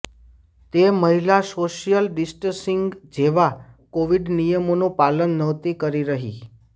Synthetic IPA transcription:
t̪eməɦilasoʃijəlɖisʈəsiŋɡd͡ʒeʋakoʋiɖnijəmonũpalənːəʋt̪ikəɾiɾəɦḭ

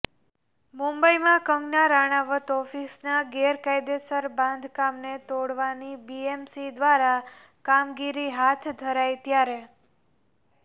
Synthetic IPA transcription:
mũmbəimãkə̃ŋɡnaɾaɽ̃aʋət̪ɔfisnaɡeɾkajd̪esəɾbãnd̪ʱkamnet̪oɽʋanibiemsid̪ʋaɾa | kamɡiɾiɦat̪ʰd̪ʱəɾajt̪jaɾe

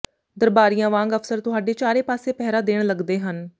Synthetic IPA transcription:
d̪əɾbaːɾijãːʋãːŋɡəfʰsəɾt̪ʊɦaːɖeːt͡ʃaːɾeːpaːseːpɛːɾaːd̪eːɽ̃ləɡd̪eːɦən

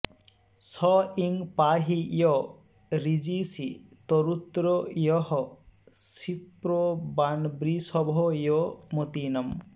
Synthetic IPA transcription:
sɔiŋpaɦijɔ | ɾid͡ʒisit̪ɔɾut̪ɾɔjɔɦɔsipɾɔbanbɾisɔbʱɔjɔmot̪inɔm

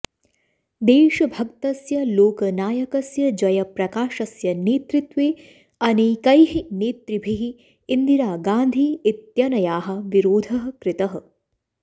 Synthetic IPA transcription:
d̪eːʃɐbʱɐk̚t̪ɐsjɐloːkɐnaːjɐkɐsjɐd͡ʒɐjɐpɾɐkaːʃɐsjɐneːt̪ɾit̪ʋeː | ɐnikɐjɦineːt̪ɾibʱiɦiː | nd̪iɾaːɡaːnd̪ʱiːt̪jɐnɐjaːɦɐ̆ʋiɾoːd̪ʱɐɦɐ̆kɾɪt̪ɐɦɐ̆

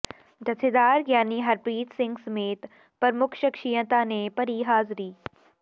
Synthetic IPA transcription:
d͡ʒɐsʰed̪aːɾɡjaːniɦɐɾpɾiːt̪sɪ̃ŋɡsɐmeːt̪ | pɐɾmʊkʰʃɐkʃijə̃t̪anepɐɾiɦaːzɾiː

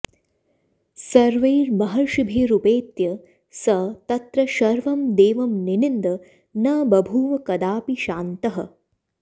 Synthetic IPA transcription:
sɐɾʋɐjɾmɐɦɐɾʃubʱeːɾupeːt̪jɐ | sɐt̪ɐt̪ɾɐʃɐɾʋɐmd̪eːʋɐmninind̪ɐ | nɐbɐbʱuːʋɐkɐd̪aːpiʃaːnt̪ɐɦɐ̰̆

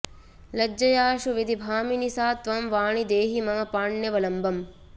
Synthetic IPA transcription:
lɐd͡ʒːɐjaːʃuʋid̪ibʱaːminisaːt̪ʋɐmʋaːɳid̪eːɦimɐɦɐpaːɳjɐʋɐlɐmbʱɐm

